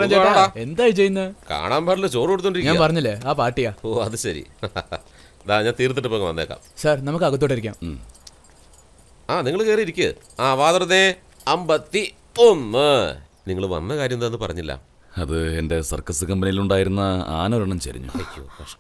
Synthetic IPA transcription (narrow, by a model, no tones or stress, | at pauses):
ɐd͡ʑeːɽae̞nd̪aːjit͡ɕe̞junːɐka̰ːɳaːmbʱaːʈilːt͡ɕo̞ːrikoɽut̪ːoɳɖiɾikɲaːanpɐrɐɲːilːeaːpaːrʈːijaːoːɐðɨɕɐɾḭ | ɐðaːɲaːnt̪iːrt̪̬ːiʈːɨpːoːŋːɐʋɐnːeːkːa̰ːmsaːrnɐmuk̬ːɨɐɣɐt̪̬ːoːʈːiɾikʲːa̰ːm | aːniŋːɐɭkeːriiɾikʲːɨ | aːʋaːðɐɾɐne | ɐmbɐt̪ːi | onːɨ | niŋːɐɭʋɐ̰nːɐkaːɾjɐmðenːɨpɐ̰rɐɲːilːɐ̰ | ɐðɨe̞nde̞sɐ̰rkɐsɨkɐmbɐnijiluɳɖaːjiɾunːɐa̰ːnoɾɐɳɐmt͡ɕɐ̰ɾḭɲːṵt̪ʰekːjṵfɐʂʈɐ